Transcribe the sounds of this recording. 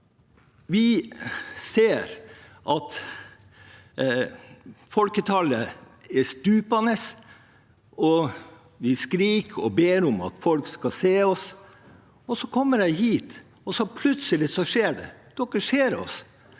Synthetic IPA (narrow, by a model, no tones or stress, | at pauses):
ʋɪ | seːɾ | ʔɑt̪ | fɔlkət̪ʰɑlə | ɛst̪ʉːpɑnəs | ɔ | ʋɪskɾiːkʰɔ̰beːɾʊmɑ̰t̪fɔlkskɑseːɔs | ɔsɔkʰɔmːəɖæɪɦiːt̪ | ɔsɔpʰlʉt̪səlɪsɔʂeːɖɛ̰d̪̥ɔkːəʂeːɾɔ̰s